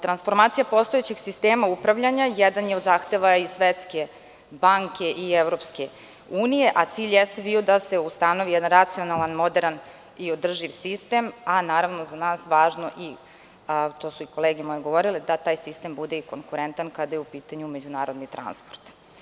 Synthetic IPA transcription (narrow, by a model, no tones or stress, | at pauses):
t̪ɾansfo̞ɾmaːt̪sijapo̞st̪oet͡ɕeɡ̥sist̪eːmaupɾaʋʎaɲajɛd̪anjeod̪zaːxt̪eʋaisʋet̪ske̞ | baŋke̞ʔieʋɾo̞pske | uːnije̞ʔat̪siːʎʲjest̪ebiːod̪aseust̪ano̞ʋijɛd̪anɾat̪sio̞nalˠanmo̞d̪eɾan | iod̪r̩ʒiʋsist̪emanaːɾaʋnozanaːsʋaːʒno̞ʔi | t̪o̞ːsuiko̞lˠeːɡemojeɡo̞ʋo̞ɾiled̪at̪aːjsist̪embud̪eikoŋkuɾent̪ankad̪ajeupiːt̪aɲumed͡ʑunaːɾo̞d̪nit̪ɾa̰nspoɾt̪